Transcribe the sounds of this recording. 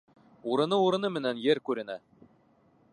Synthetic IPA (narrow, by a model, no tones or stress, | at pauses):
uɾɤ̆nɤuɾɤ̆nɤmɘ̆nænjɘɾkʉɾɘ̆næ